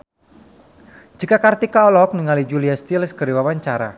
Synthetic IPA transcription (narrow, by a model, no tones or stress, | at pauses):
d͡ʒikakart̪ikaɔlɔk̚niŋalid͡ʒuliast̪ilskəɾiwawaɲt͡ʃaɾa̰